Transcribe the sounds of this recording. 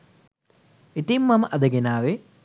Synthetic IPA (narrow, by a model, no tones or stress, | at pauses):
it̪imːɐmʔɐd̪ɐɡinaːʋe